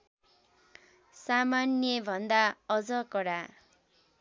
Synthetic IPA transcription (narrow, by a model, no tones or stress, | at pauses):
samanjʌbʱʌnd̪aʌd͡zʌkʌɽa